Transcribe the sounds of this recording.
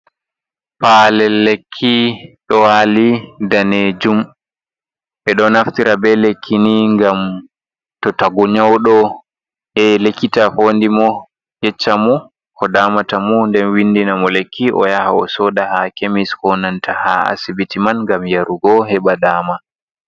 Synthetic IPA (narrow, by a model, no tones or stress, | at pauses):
palɛlːekʰːiɗɔwalidaned͡ʒum | ɓɛɗɔnaftiɾabɛlekʰːiniŋɡam | tɔtaɡɔɲawɗɔ | hɛlekːitafoːndimɔ | jɛt͡ʃːamɔ | kʰɔdaːmatamundɛnwindinamɔlekʰːiʔɔ̰jahaɔsɔːɗahakemishɔnantʰaha̰a̰sibitimanŋɡamjaɾuɡɔɦɛɓadaːma